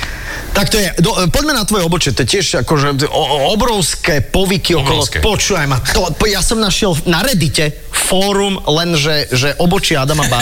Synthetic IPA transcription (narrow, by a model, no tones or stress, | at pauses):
t̪ak̚t̪ɔjɛd̪ɔpɔɟmɛnat̪ʋɔjɛɔbɔt͡ʃɪɛt̪ɔjɛcɪɛʃakɔʒɛɔɔbɾɔʊskɛːpɔʋikiɔkɔlˠɔpɔt͡ʃuːʋajmat̪ɔjasɔmnaʃɪɛlnaɾɛd̪icɛ | fɔːɾumlɛnʒɛʒɛʔɔbɔt͡ʃɪɛad̪amaba